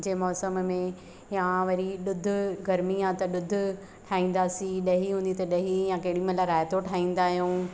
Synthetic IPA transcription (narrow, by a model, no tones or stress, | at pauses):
d͡ʑeːmɔːsəmmẽ | jãʋɐɾiɗʊd̪ʱʊ̆ɡɐɾmiãt̪ɐɗʊd̪ʱʊ̆ | ʈʰaːĩːn̆d̪aːsĩɗɐɦiɦũːnd̪it̪ɐɗɐɦijãkɐɦɪɽimɐ̃laɾaːɦɪt̪oʈʰaːĩːn̆d̪aːɦijũː